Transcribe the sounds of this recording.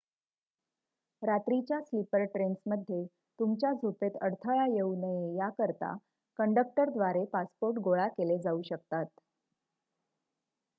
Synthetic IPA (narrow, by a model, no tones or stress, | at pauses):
ɾat̪ɾit͡ɕjaslipəɾʈɾensməd̪ʱje | t̪umt͡ɕjad͡zʱopet̪əɽt̪ʰəɭajeunəjejakəɾt̪a̰ | kəɳɖək̚ʈəɾd̪ʋaɾepaspoɾʈɡoɭakeled͡zauɕəkt̪at̪